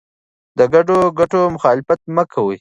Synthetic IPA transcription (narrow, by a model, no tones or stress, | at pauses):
d̪əɡaɖoɡaʈomʊxɑːlɪfat̪̚mɐkʰɐwuj